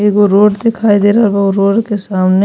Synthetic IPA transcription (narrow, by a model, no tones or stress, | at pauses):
eːkoɾoːʈd̪ɪkʰaːid̪eːɾabɐɡɾoːʈkesaːmne